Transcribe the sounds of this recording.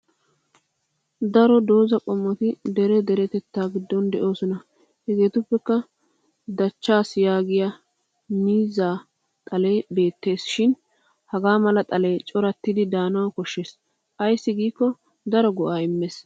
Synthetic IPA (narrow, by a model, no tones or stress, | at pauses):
d̪ɐɾɔd̪o̞ːzɐkʼɔmːɔt̪ɪd̪ɛɾɛd̪ɛɾɛt̪ɛt̪ːaːɡɪd̪ːɔnd̪ɛʔo̞ːsɔnɐ | hɛɡe̞ːt̪ʊpːɛkːɐ | d̪ɐt͡ʃːaːsjaːɡɪja | miːzaː | t̪ʼɐle̞ːbe̞ːt̪ːe̞ːsʃɪn | hɐɡaːmɐlɐt̪ʼɐleːt͡ʃʼɔɾɐt̪ːɪd̪ɪd̪aːnɐwɐkɔʃːeːs | ʔɐjsːɪɡiːkːɔ | d̪ɐɾɔɡɔʔaːɪmːes